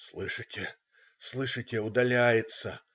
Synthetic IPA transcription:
slˠɨʂɨtʲɪ | slˠɨʂɨtʲɪʊd̪ɐlʲæjɪt̪sə

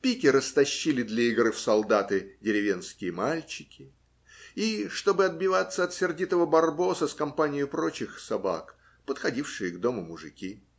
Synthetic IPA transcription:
pʲikʲɪɾəst̪ɐɕːilʲɪd̪lʲɐiɡrɨfsɐlˠd̪at̪ɨdʲɪɾʲɪvʲe̞nskʲɪjəmalʲt͡ɕɪ̥kʲɪ | iʂt̪o̞bɨɐd̪̚bʲɪvat̪sːəɐt̪sʲɪrdʲit̪əvəbɐrbo̞səskɐmpanʲɪjʊpɾo̞t͡ɕɪxsɐba̰k | pət̪xɐdʲifʂɨjəɡd̪o̞mʊmʊʐɨ̰kʲi

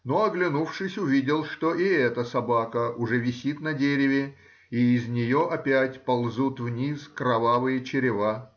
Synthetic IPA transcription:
no̞ɐɡlʲɪnufʂɨsʲʊvʲidʲɪlˠʂt̪oʔiɛt̪əsɐbakəʊʐɛvʲɪsʲit̪nɐdʲeɾʲɪvʲɪ | iːzʲnʲɪjoʔɐpʲætʲpɐlˠzut̪vnʲiskɾɐvavɨjət͡ɕɪɾʲɪva

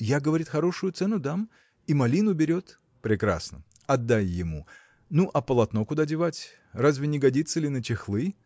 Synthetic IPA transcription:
jaɡəvɐɾʲit̪xɐɾo̞ʂʊjʊt̪sɛnʊd̪am | imɐlʲinʊbʲɪɾʲo̞t̪ | pɾʲɪkɾa̰snə̰ | ɐd̪ːajːɪmu | nuʔɐpəlˠɐt̪no̞kʊd̪adʲɪvatʲ | razʲvʲɪnʲɪɡɐdʲit̪səlʲɪnət͡ɕʲɪxlˠɨ

